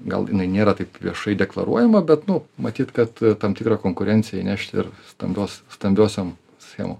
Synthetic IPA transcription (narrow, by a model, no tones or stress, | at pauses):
ɡɐ̰lˠjɪ̰nɐɪnʲeːɾɐt̪ɐɪpʋʲiɛʃɐɪdʲɛklˠɐ̰ɾuɔjɛmɐbʲɛt̪nʊmɐt̪ʲiːt̪kɐt̪t̪ɑmt̪ʲɪkɾɐkoːŋkʊɾʲɛnʲt͡ssʲɪjɛinʲæʃʲt̪ʲɪ̰ɾst̪ɐ̰mʲbʲoːsst̪ɐmʲbʲoːsʲoːm | sʲxʲḛːmo̰ːm